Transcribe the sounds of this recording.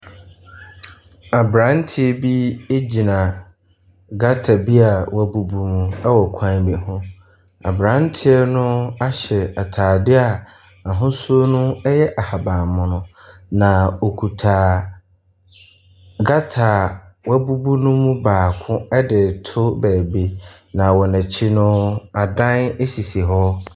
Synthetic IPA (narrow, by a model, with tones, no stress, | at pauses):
a˨bɾã˨˦n̩˦tʰɪ˦ɛ˦bi˦e˦d͡ʑi˨nã˨ | ɡa˦tʰa˨bi˦a˨wʔa˦bu˨bu˦mũ˦ɛ˦wɔ˨kʷʰã˦bi˨hʊ̃˦ | a̰˨bɾã˨˦n̩˦tʰɪ˦ɛ˦nʊ̃˦a˦ɕɛ˨a˨tʰaː˨dɪ˦a˨ | ã˨ɦʊ̃˦su˦o˦nʊ̃˦ɛ˦jɛ˦ʔa˨ha˨bã˨mʊ̃˨nʊ̃˦ | nã˨o˨kʰu˨tʰaː˨ | ɡa˦tʰaː˨wa˦bu˦bu˦nʊ̃˦mũ˦baː˨kʰʊ̃˦ɛ˦dɪ˨tʰʊ˦bɛː˨bi˦ | nã˨wɔ˨nã˨t͡ɕʰi˦nʊ̃˦a˨dã˦ne˦si˨si˨ɦɔ˦